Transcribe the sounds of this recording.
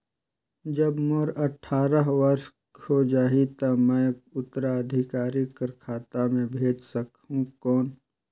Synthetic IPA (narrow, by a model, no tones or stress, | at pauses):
d͡ʒəbmoɾɐʈʰaːɾəɦʋəɾʃ | kod͡ʒaːɦit̪ɐmɛ̃ʊt̪ːəɾaəd̪ʱɪkaːɾikəɾkʰaːt̪amẽbʱeːd͡ʒsəkɦũkɔːn